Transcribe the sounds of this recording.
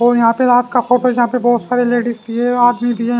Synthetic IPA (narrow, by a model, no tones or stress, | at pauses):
oːjɐɦãːpeaːp̚kaxoːʈɛjɐɦãpebɔːt̪saːɾeleːɖɪst̪iɛaːd̪mibʱiɦɛ